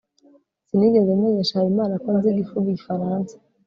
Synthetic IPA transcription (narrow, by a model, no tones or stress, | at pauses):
siniɡezeumŋeɲeʃahaɾimaːnakonziɡifuβiɟifaɾaːnsḁ